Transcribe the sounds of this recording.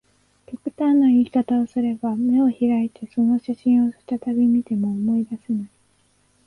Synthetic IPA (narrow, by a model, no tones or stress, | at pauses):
kʲokɯ̟t̪ãnːoiːkat̪ao̞sɨɾe̞bame̞o̞çiɾait̪e̞so̞no̞ɕaɕĩɰ̃o̞ɕi̥t̪at̪abʲimʲit̪e̞mo̞ːmo̞id̪asenai